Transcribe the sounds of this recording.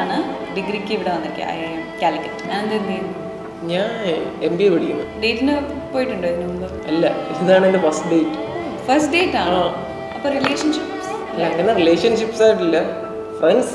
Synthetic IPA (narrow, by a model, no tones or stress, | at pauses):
ɳɨɖiɡɾikʲːiʋiɽeɐnd̪ɐɾikʲːɐ̰jaːjumkʲaːlikʲːɐʈːɲaːnnd̪end̪ɐjnːu | ɲaːnembieʋɐɽikʲːunːuɖe̞ːtːinɨ | pːoːjiʈːuɳɖoenːumbo | ɐlːɐenːaːɳendefɐsʈɖeːtːɨo | fɐsʈɖe̞ːtːaːaː | ɐpːoːrileːʂɐnʂipsɐlːɐk̪ːɐnːeɾile̞ːʂɐnʂipːsaːjiʈːilːɐ | fɐns